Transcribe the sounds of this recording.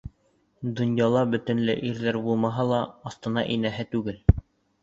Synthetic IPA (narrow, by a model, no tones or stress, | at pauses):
d̪ŏnjɑlˠɑbɵ̆t̪ɘ̆nlɘ̰ʔiɾðæɾbulˠmɑɦɑlˠɑːθt̪ɤ̆nɑ̰ʔinæɦɘt̪ʉɡɘl